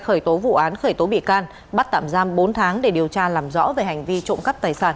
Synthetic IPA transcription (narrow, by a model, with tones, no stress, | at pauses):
xəː˧˩jt̪o˨˦vṵ˧˨ʔaː˨˦nxəː˧˩jt̪o˨˦ɓḭ˧˨kaː˧n | ɓa˦˥t̚t̪a̰ː˧˨mzaː˧mɓo˨˦nt̪ʰaː˨˦ŋɗe˧˩ɗi˨˩əwt͡ɕaː˧laː˨˩mzɔ̰˧˥ve˨˩ha˨˩jŋ̟vi˧t͡ɕʊ̰˧˨ŋ͡mkə˦˥p̚t̪aː˨˩jsaː˧˩n